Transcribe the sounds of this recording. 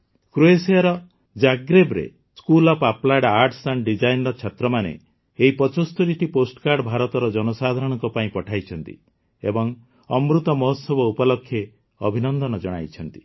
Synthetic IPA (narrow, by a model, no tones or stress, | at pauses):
kɾuesijaɾɔ | d͡ʒaɡɾebɾḛ | skulɔpaplaɖaɾʈʰsaɳɖɖid͡ʒajnɾɔt͡ʃʰat̪ɾɔmanḛ | eɦipɔt͡ʃost̪oɾiʈiposʈkaɾɖbʱaɾɔt̪ɔɾɔd͡ʒɔnɔsad̪ʱaɾɔɽ̃ɔŋkɔpaĩpɔʈʰajt͡ʃʰɔnt̪ḭ | ḛbɔŋ | ɔmɾut̪ɔmɔɦɔt̪sɔbɔupɔlɔkʰːje | ɔbʱinɔnd̪ɔnɔd͡ʒɔɽ̃a̰jt͡ʃʰɔnt̪i̥